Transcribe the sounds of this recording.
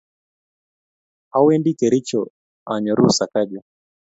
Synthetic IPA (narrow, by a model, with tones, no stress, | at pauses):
a˦wɛ˦ndi˦kɛɾi˦t͡ʃɔ | a˨ɲɔ˨ɾu˦sa˨kaʄɔ˨